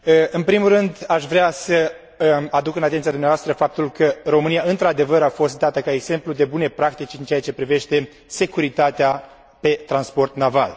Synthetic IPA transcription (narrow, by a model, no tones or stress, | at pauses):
ɨnpɾimulrɨnd̪aʃvɾeasə | ad̪ukɨnat̪ent̪sijad̪umneavast̪ɾəfap̚t̪ulkəro̞mɨnijaɨnt̪ɾad̪e̞vəɾafo̞st̪̚d̪at̪əkae̞ɡz̥e̞mplud̪e̞bune̞pɾak̚t̪it͡ʃʲɨnt͡ʃejat͡ʃe̞pɾive̞ʃt̪e̞ | se̞kuɾit̪at̪ea | pe̞t̪ɾanspo̞rt̪nava̰l